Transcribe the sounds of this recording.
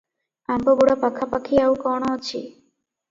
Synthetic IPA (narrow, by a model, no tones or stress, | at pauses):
ambɔɡuɽapakʰːapakʰiawkɔɽ̃aot͡ɕʰḭ